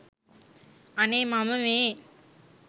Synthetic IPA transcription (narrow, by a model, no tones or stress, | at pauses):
ɐneːmaːmɐmeː